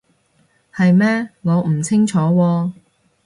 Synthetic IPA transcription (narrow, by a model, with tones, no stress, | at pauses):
hɐ˨jmɛː˥ŋɔː˨˧m̩˨˩t͡sʰɪ˥ŋt͡ʃʰɔː˨˥wɔː˧